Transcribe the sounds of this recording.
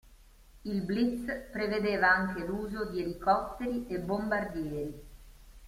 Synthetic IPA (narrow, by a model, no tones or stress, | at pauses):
ilblit̪spɾeved̪eːvaaŋk̟eluːzod̪ielikɔt̪ːeɾiebːombard̪jɛːɾi